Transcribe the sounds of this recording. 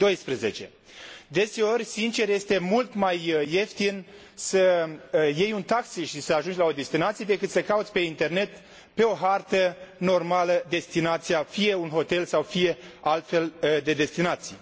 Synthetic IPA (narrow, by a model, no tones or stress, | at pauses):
d̪o̞jspɾeze̞t͡ʃe̞̰ | d̪e̞se̞o̞rʲsint͡ʃe̞rje̞st̪e̞mult̪majːe̞ft̪in | sə | je̞junt̪aksiʃisəaʒund͡ʒlao̞d̪e̞st̪inat̪sied̪e̞kɨt̪səkaut̪sʲpe̞int̪e̞rne̞t̪ | pe̞o̞ɦart̪əno̞rmaləd̪e̞st̪inat̪sijafije̞unɦo̞t̪e̞lsawfije̞alt̪fe̞ld̪e̞d̪e̞st̪inat̪si